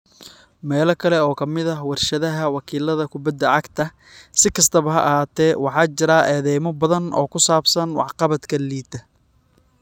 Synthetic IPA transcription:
mɛːlɐkʰɐlɛɔːkʰɐmɪðɐwɑrʃɐðɐɦɐwɑkʰiːlɐðɐkʰʊbɐd̪ɐʕɑɡt̪ʰɐ | sɪkʰɐst̪ʰɐβɐɦɐ̰ʔɐɦaːt̪ʰɛːwɑħɑːt͡ʃɪɾaːʔɛːðɛjmɔbɐðɐnɔ̰ːkʰʊsaːbsɐnwɑ̰ħqɑβɐt̪kʰɐliːt̪ɐ

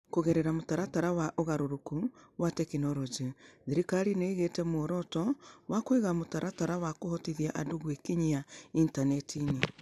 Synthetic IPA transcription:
koɣeɾeɾamotaɾataɾawaʔoɣaɾoɾukuwatɛkinɔɾod͡ʒeðiɾikaɾineiɣetɛmooɾɔtɔwʔakweɣamotaɾʔataɾawakohɔtiðiaʔadoɣwekiɲiaintanɛtʰine

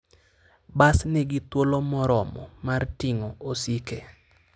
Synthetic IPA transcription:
basnɪɡɪt̪wolomɔɾɔmɔ̰martiŋɔosike

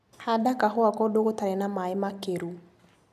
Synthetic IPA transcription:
hadakaɦɔakɔdoɣotaɾenamaemakeɾu

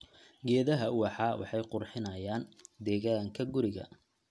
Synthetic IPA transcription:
ɡɛːðɐɦɐʊwɑħɑːwʔɑ̰ħɑjqʊrħɪnɐjaːnd̪ɛːɣaːŋkʰɐɡʊɾɪɣɐ̰

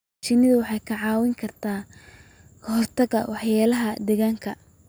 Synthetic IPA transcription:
t͡ʃɪnɪðʊwɑħɑjkʰɐʕɑːwɪŋkʰɐrt̪ʰaː | kʰɦɔrt̪ʰɐɡɐwɑħjaːlɐɦɐd̪ɛɣaːŋkʰɐ

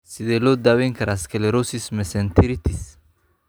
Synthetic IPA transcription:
sɪd̪elod̪awɛŋkɐɾaskeleɾosismɛsɛnt̪ʰiɾit̪is

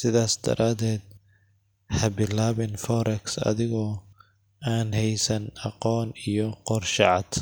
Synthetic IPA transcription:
sɪðaːsd̪ɐ̰ɾʔaːðɛːd̪̚ | hɐbɪlaːβɪnfɔɾɛksɐ̰ðɪɣɔː | aːnhɛjsɐnɑqɔːnijɔqɔrʃɑʕɑd̪̥

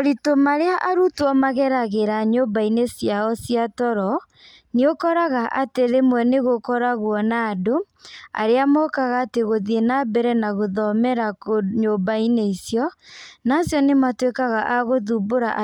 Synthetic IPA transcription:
oɾitomaɾeaʔaɾutwɔmaɣɛɾaɣeɾaɲobainesjaɔsiatɔɾɔ | niokɔɾaɣaʔateðemwɛneɣokɔɾaɣwɔnaːdo | a̰ɾeamɔkaɣaːteɣoðienabɛɾɛnaɣoðɔmɛɾakoɲobaineisjɔnasjɔnematwekaɣaʔaɣoðuboɾaʔ

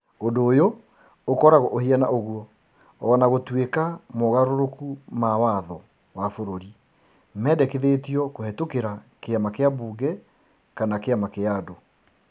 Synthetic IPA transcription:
ondoːjoː | kɔɾaɣoʔohiana̰ʔoɣuɔː | naɣotwekamoɣaɾoɾokumawaðɔ | wafoɾoɾi | mɛːdɛkeðetiɔkoɦɛtokeɾa | keamakeaβuːɡɛ | kanakeamakeado

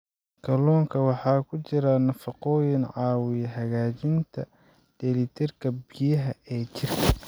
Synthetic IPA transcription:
kʰɐlɔːŋkʰɐwɑħɑːkʰʊt͡ʃɪɾɐnɐfɑqɔːjɪnʕɑːwɪjɐɦɐɣaːt͡ʃɪnt̪ʰɐ | d̪̥ɛlɪt̪ʰɪrkʰɐbɪjɐɦɐɛːt͡ʃɪrkʰɐ

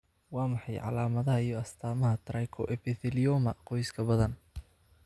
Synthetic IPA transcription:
wɑːmɑħɑjʕɑ̰laːmɐðɐɦɐijɔɐst̪ʰaːmɐɦɐt̪ʰɾɑjkʰɔ̰ʔɛpɛθɪlɪjɔmɐqɔjskʰɐbɐðɐn

